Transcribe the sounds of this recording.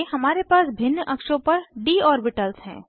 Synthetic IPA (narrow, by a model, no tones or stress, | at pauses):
ɦɐmaːɾepaːsbʱɪnːʔɐkʃõpɐɾɖiːɔːɾbɪʈəlsɦɛ̰̃ː